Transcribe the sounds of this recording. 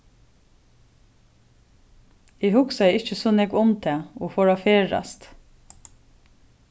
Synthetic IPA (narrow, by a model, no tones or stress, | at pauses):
eːhʊksaɛɪt͡ʃəsoːnɛɡʊmt̪ʰɛːoːfoːɹɑfeːɹɑ̰st̪